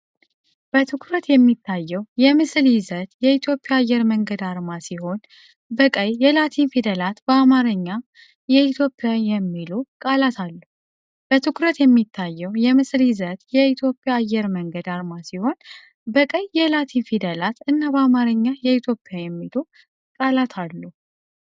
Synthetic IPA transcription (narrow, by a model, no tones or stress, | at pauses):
b̥ət̪ʰɨkʰuɾət̪jɛmːit̪ʰːajːɛwjɛmɨsljɪzət̪jɛit̪ʰjo̞pʼːɪjaːjːɛɾməŋɡəd̪aɾmasiho̞n | bəkʼəjːɛlat̪ʰinfid̪əlat̪bəamaɾəɲːa | jɛit̪ʰjo̞pʼːjajɛmːilokʼalat̪ʰalːu | b̥ət̪ʰɨkʰɾət̪jɛmːit̪ʰːajːɛwjɛmɨsljɪzət̪jɛit̪ʰjo̞pʼːɪjaːjːɛɾməŋɡəd̪aɾmasiho̞n | bəkʼəjːɛlat̪ʰinfid̪əlat̪ɨnːabəamaɾəɲːajɛit̪ʰjo̞pʼːjajɛmːilu | kʼalat̪ʰalːu